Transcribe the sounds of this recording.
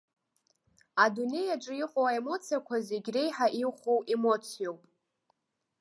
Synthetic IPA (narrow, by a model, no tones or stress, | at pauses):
adune̞jaʈ͡ʂʼɨiqʼowaemo̞t͡sʰijakʷʰazeɡʲre̞jħaʔiχʷo̞we̞mo̞t͡sʰijo̞wpʼ